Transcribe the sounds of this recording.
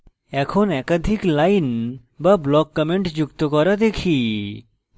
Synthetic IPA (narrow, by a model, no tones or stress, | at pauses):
ɛkʰonɛkad̪ʱiklajn | bablɔkːəmeɳʈd͡ʑukt̪okɔɾad̪ekʰi